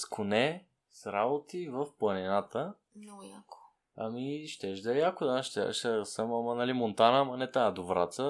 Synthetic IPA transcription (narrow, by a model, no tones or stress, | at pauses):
skʰʊnɛ | sɾabot̪ivəfplˠɐnɛnat̪ə | nojako̥ | ɐmiʃt̪ɛʒd̪əjakʊd̪aʃt̪ɛ̰ʃt̪əsəmɐmɐnalimont̪anəmɐnɛt̪aːd̪ovɾa̰t̪sə